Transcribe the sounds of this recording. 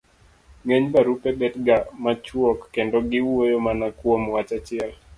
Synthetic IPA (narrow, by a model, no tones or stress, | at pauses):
ŋeɲbaɾupebɛtɡamat͡ʃwɔkːɛndɔɡɪwojomanakwomwat͡ʃat͡ʃɪɛl